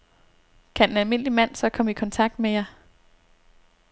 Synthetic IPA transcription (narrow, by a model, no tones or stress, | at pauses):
kʰæe̝nælme̝n̰limæn̰sɒ̽kʰɒ̽məikʰɒ̽nt͡sʰɑ̈ɡ̥̚d̥mejɑ